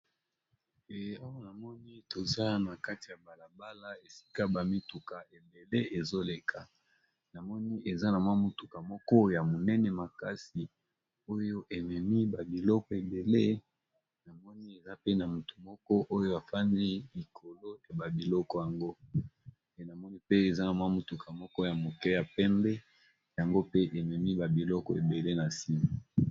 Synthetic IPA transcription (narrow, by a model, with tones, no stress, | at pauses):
e˨a˦wa˦na˨mɔ˦ni˦to˨za˦na˨ka˦ti˨ja˨ba˨la˨ba˦la˦e˨si̥˦ka˦ba˨mi˦tu˨ka˨e˨be˨le˦e˨zo˦le˨kʰa˨ | na˨mɔ˦ni˦ʔe˨za˦na˨mwa˦mu˨tu˨ka˨mɔ˦kɔ˦ja˨mo˨nɛ˦nɛ˨ma˨ka˦si˨ | o˦jo˦ʔe˨mɛ˨mi˦ba˨bi˨lɔ˦kɔ˨e˨be˨le˦ | na˨mɔ˦ni˦e˨za˦pe˦na˨mu˨tu̥˨mɔ˦kɔ˦ʔo˦jo˦a˨fa˦ndi˦li˨kʰo˨lo˦ja˨ba˨bi˨lɔ˦kɔ˨ja˨ŋɡo˦ | e˨na˨mɔ˦ni˦pe˦e˨za˦na˨mwa˦mo˨tu˨kʰa˨mɔ˦kɔ˦ja˨mo˨kɛ˦ja˨pɛ˦mbɛ˦ | ja˨ŋɡo˦pe˦ʔe˨mɛ˨mi˦ba˨bi˨lɔ˦kɔ˨ḛ˨be˨le˦na˨si˦ma˨